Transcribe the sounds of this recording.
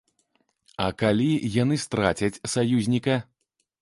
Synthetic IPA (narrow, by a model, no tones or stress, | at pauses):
ɐkalʲijanɨst̪ɾat͡sʲɐt͡sʲsajuzʲnʲikɐ